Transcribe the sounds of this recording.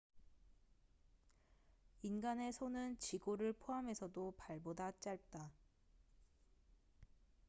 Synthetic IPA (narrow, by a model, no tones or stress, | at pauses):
inɡane̞sʰonɯnt͡ɕiɡoɾɯɭpʰoɦame̞sʰʌdopaɭbodat͡ɕ͈aɭp̚t͈a